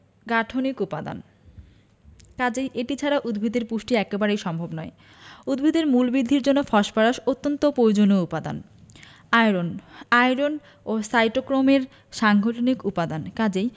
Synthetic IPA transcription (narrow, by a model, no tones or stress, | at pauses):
ɡaʈʰonikupad̪a̰n | kad͡ʑejʔeʈit͡ɕʰaɾaʔud̪bʱid̪eɾpuʃʈiɛkebaɾejʃɔmbʱobnɔe | ud̪bʱid̪eɾmulbid̪ʱːiɾd͡ʑonːofɔʃpaɾaʃot̪ːont̪opɾojod͡ʑonoupad̪a̰n | ajɾonajɾon | osajʈokɾomeɾ | ʃaŋɡʱoʈʰonikupad̪ankad͡ʑej